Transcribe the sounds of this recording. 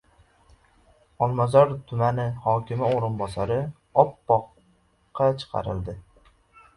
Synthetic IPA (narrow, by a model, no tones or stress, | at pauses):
ɒlˠmazɒɾt̪ʰʊmanɪhɒkʲɪmɪoɾɪnbɒsaɾɪ | ɒpːɒqː | ɑt͡ʃʰɨ̥qʰɑ̰ɾɪ̰lˠd̪ɪ